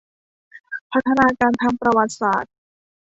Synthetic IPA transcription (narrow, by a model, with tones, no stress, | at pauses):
pʰa˦˥t̪ʰːa˧naː˧kaː˧nt̪ʰaː˧ŋpɾa˧wa˨˩t̪̚saː˨˩t̪̚